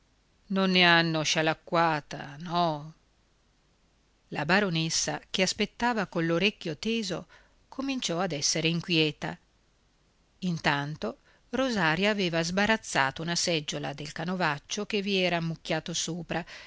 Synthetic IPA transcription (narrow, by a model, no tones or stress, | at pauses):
nonːeanːoʃalakːwaːt̪a̰nɔ | labaɾonesːakeaspet̪ːaːvakonloɾekːjot̪eːzo̰ | kʰomint͡ʃɔad̪ɛsːeɾeiŋkʷwiɛːt̪a̰ | int̪ant̪o | rozaːɾjaːveːvazbaɾat̪sːa̰ːt̪ounasɛd͡ʒːola̰d̪elkanovat͡ʃːok̟eviɛːɾamːukːaːt̪osoːpɾa